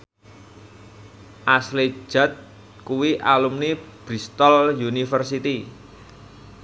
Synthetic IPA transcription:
ʔasle̥ʒ̥a̤t̪̚ | kuwiʔalumnib̥ɾist̪ɔljunifərsit̪i

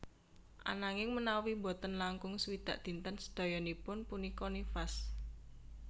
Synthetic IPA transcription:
ʔa̰naŋɪŋmənawimbɔt̪ənlaŋkʊŋswid̪̥a̰ʔd̪̥i̤nt̪ənsə̥d̪̥ɔ̤jɔnipʊnpunikɔnifas

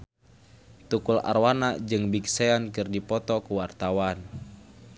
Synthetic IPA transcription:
t̪ukula̰rwanad͡ʒɨŋbik̚seankɨrdipɔt̪ɔkuwart̪awan

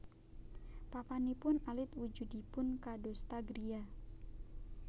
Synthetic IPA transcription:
papanipʊnalɪt̪wud͡ʒudipʊnkadost̪aɡɾia

